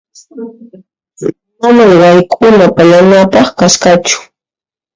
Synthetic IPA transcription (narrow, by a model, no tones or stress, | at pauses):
mamajɢɑjkʰʼʊnapaʎanapɑχkaskat͡ʃʊ̥